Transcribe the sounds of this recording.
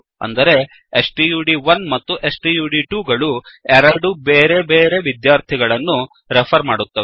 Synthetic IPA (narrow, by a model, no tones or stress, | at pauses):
ɐ̰nd̪ɐɾe̞ | esʈijuːɖiʋɐnmɐt̪ːuʔesʈijuːɖiʈuːɡɐɭuɛɾɐɾɖubeːɾe̞beːɾe̞ʋid̪jaːɾt̪ʰiɡɐɭɐnːu | ɾepʰɐɾmaːɽut̪ːɐ